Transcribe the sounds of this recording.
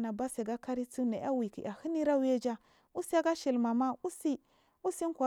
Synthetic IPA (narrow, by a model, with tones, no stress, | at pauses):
na˨ba˦se˨ɡa˦ka˦ɾi˦t͡su˦ne˨ʔa˦wi˨kḭ˨ʔa˨hi˦ni˦ɾa˦we˦d͡ʒa˦ | u˦si˦a˦ɡa˦ʃi˨lma˨ma˦u˦si˦ | u˦si˦n˦kʷa˨